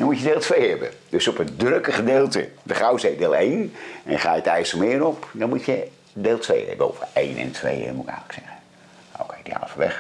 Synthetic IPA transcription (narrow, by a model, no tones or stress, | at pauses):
dɑnmucədeːlˠtʋejɦɛbə̰d̥øsɔpəndrøkəχədeːlˠtə̰dəχawsejdeːlˠejnɛnχaːjətɛjsəmɪːɾɔpdɑnmucə | deːlˠtʋḛjɛ̰bəo̰vəejnɛ̰ntʰʋḛj̰muɪkɛ̰jələksɛχə | o̰kejdia̰lfəʋɛ̰χ